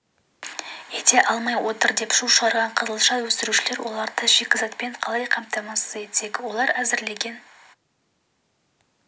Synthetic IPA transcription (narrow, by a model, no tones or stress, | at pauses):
et̪e̞ʔɑlˠmɑjwo̞t̪əɾd̪e̞pʃulʃəʁɑɾʁɑɴqʰəzəlˠʃɑwɵst̪ɪɾuʃɪle̞ɾwʔo̞̰lˠɑɾd̪əʒe̞kʲɪzɑt̪̚pe̞ɴqʰɑlˠɑjqʰɑmt̪ɑmɑsəze̞t̪se̞kwo̞lˠɑɾæzɪɾle̞ɡʲe̞n